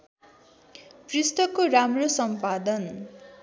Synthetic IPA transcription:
prist̪ʌkːoɾamrosʌmpad̪ʌn

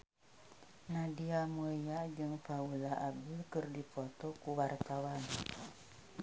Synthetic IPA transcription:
nadiamujad͡ʒɨŋfaulaʔabilkɨrdipɔt̪ɔkuwart̪awan

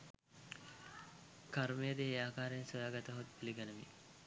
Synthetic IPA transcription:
kaɾmejəd̪eːaːkaːɾensojaːɡɐt̪əɦot̪̚puliɡɐnəʋḭ

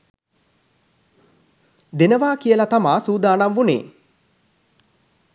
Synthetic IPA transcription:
d̪enəʋaːkijəlat̪amaːsuːd̪aːnamʋunḛː

